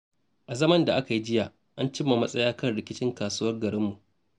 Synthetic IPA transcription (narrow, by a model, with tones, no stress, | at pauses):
ʔa˨zɐ˦mɐ˦nda˨ʔa˦ka˨ji˦d͡ʒɪ˦jaː˨ | ʔa˦nt͡ʃɪ˦mːa˨mɐ˦sʼɐ˦jaː˦kɐ˦˨nɽɪ˨kʲɪ˦t͡ʃɪ˦ŋkaː˨suː˦wɐ˦rɡɐ˨ɾɪ˦mːu˨ʔ